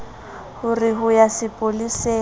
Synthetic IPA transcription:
hʊrɪɦʊjasɪpʼoliseː

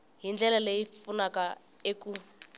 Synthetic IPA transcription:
ɦind͡ɮɛlaleɦifunakaeku

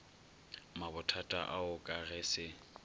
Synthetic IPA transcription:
mabʊtʰatʼa̰ʔaʊkʼaɣɛsɪ

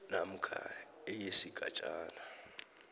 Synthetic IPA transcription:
nam̩kʰa̰ | ɪjesɪkʼat͡ʃʼaːna

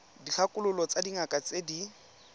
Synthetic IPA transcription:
diɬʰakʼʊlʊlɔt͡sadiŋakʼat͡sedi

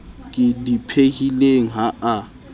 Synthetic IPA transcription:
kʼɪdipʰehileŋ̩ɦaa

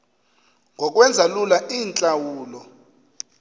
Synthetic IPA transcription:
ŋɡʱɔk̬ʼwɛnd͡zʱalulaiːnt͡ɬʼawuːlɔ

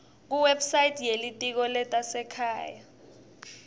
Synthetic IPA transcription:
k̬uwɛbsajitʰjelitʼik̬ɔlɛtʼasɛkʰaːja

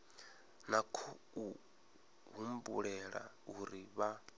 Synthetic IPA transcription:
nakʰɔ | u | ɦumbuɺɛɺa̰ | uɾiβa

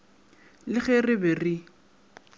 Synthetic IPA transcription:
lɪɣɛrɪbɪri

